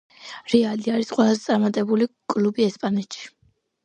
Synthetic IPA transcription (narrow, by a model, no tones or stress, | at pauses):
ɾɛaliaɾisqʼwɛlˠazɛt̪sʼaɾmat̪ʼɛbulikʼlubiɛspʼanɛt̪ʃi̥